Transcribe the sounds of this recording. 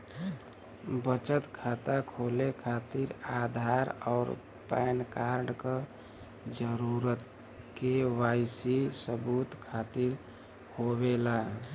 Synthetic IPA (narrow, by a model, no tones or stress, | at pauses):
bət͡ʃət̪kʰat̪akʰolekʰat̪iɾad̪ʱaɾɔːɾ | pɛːnkaɾɖke | d͡ʒəɾuɾət̪ | kewajsisəbut̪kʰat̪iɾ | hobela